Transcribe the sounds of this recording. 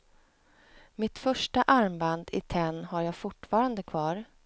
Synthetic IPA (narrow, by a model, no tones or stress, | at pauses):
mɪt̪fœʂʈaʔaɾmband̪ɪ̰t̪ʰɛnːhaɾjaːɡfʊʈːfɑːɾand̪əkʰvɑːɾ